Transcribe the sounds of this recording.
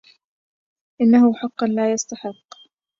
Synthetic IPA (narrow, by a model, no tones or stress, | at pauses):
ʔɪnːahʊħɑqːɑnlaːjast̪aħɪqː